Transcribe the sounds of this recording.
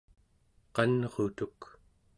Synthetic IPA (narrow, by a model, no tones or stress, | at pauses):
qɑnʁot̪uk